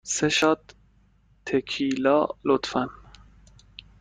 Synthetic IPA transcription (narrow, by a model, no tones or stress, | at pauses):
seʃɑt̪ | t̪ʰːekʰiːlɑ̰ːlot̪fæn